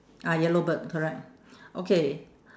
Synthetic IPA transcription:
ajɛlobət̚kʰɔɹɛk̚t̚ | ʔokʰe

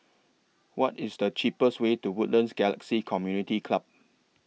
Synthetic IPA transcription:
wɔtɪsdət͡ʃipəswetuwʊtlə̃nsɡɛlə̰ksikʰɔmjunitikʰlab̚

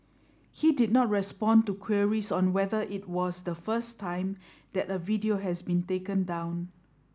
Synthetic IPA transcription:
hidid̚nɔt̚ɹɛspɔ̃ntukʰwiəɹisɔ̃nwɛðəʔit̚wɔsdəfəstʰːãɪ̃m | d̪ɛtəvidioɦɛsbĩntekə̃ndãw̃n

